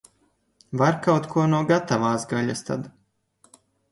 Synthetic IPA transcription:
vaɾkawt̪kʰuɔnuɔɡat̪avaːsɡaʎast̪a̰d̪

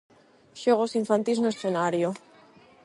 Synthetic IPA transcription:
ʃoɣ̞osiɱfant̪ilznoesθenaɾjo

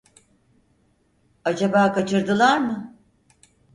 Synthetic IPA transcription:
ad͡ʒabaːkat͡ʃʰɯɾd̪ɯlˠaɾmɯ

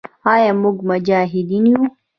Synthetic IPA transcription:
ajamʊɡmad͡ʒaːɦid̪iniju

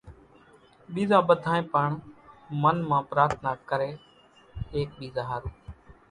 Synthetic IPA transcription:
ɓiːzãːɓəd̪ʱaːẽːpəɳmənmãːpɾaːɾt̪ʰnaːkəɾeː | eːk̚ɓiːzaːɦaːɾuː

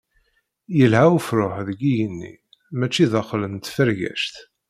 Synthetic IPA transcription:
jəlhæufɾʊħðəɡijənːḭ | mæt͡ʃːiðɑχlənt̪fəɾʝæ̰ʃt̪

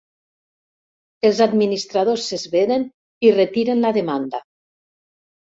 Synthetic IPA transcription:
elˠzad̪minist̪ɾað̞osːezβeɾen | iret̪iɾenlaðemand̪a

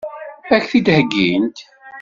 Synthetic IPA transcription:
æçθid̪həɡːint̪

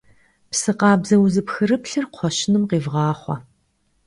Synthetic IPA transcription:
psɨqɑːbzɐwzɨpxɨɾɨpɬɨrqʷʰɔɕɪnɨmqeːvʁɑːχʷɑ̰

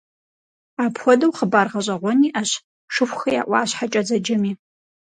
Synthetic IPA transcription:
aːpxʷɔdɐwχəbaːrʁɐʑʷʼɐʁʷɔniːʔaɕ | ʂɨxʷxɐja̰ʔʷʼɑ̰ːɕħat͡ʃʼɐd͡zɐd͡ʒɐmiː

